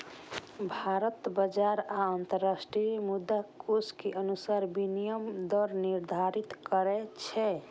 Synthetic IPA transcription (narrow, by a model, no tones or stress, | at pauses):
bʱaɾət̪bəd͡ʒaɾaənt̪əɾːasʈɾimud̪ːakʰoskeʔənusaɾbinijəmd̪ɔɾniɾd̪ʱaɾit̪kəɾɛt͡ʃʰɛ